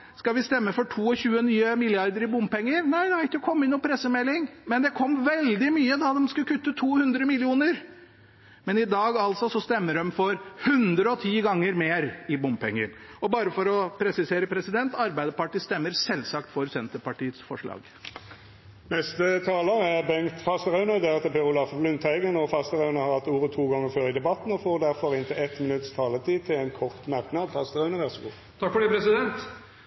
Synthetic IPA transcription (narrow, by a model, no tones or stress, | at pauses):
skɑʋɪst̪ɛmːəfɔʈʰuːɔçʉːənyːəmɪlɪɑɾd̪əɾɪbʊmpɛŋːəɾnæɪd̪ɛʋæɪt̪ɔkʰɔmːɪnːuːpʰɾɛsːəmɛlːɪŋmɛnd̪ɛkʰɔmːʋɛld̪ɪmyːəd̪ɑd̪ɛmskʉkʰʉt̪ːət̪ʰuːhʉnd̪ɾəmɪlɪuːnəɾ | mɛnɪd̪ɑːɡɑlsɔsɔst̪ɛmːəɖɛmfɔɾhʉnd̪ɾəɔt̪ʰiːɡɑŋːəɾmeːɾɪbʊmpɛ̰ŋːə̰ɾɔbɑːɾəfɔɾɔpʰɾɛsɪseːɾəpʰɾɛsɪd̪ɛnt̪ɑɾbæɪd̪əpɑʈiːst̪ɛmːəɾsɛlsɑkt̪fɔɾsɛnt̪əpɑʈiːət̪sfɔʂɭɑ̰ːɡ | nɛst̪ət̪ʰɑːləʁæʁbɛŋt̪fɑst̪əʁɑʉnəd̪ɛʁt̪əpʰɛɾʊlɑfblʉnt̪æɪɡənɔʁfɑst̪əʁɑʉnəhɑɾʁhɑt̪ːuːʁət̪ʰuːɡɑŋːəføːɾɪd̪ɛbɑt̪n̩ɔfoːʁd̪æʁfɔɾɪnt̪ʰɪlɛt̪mɪnʉt̪st̪ʰɑːlət̪ʰiːt̪ʰɪlɛɪnkʰɔʁt̪mɑʁknɑd̪fɑst̪əʁɑʉnəʋæʁsɔɡṵː | t̪ʰɑkfɔɖɛːpʰɾɛsɪd̪ɛnt̪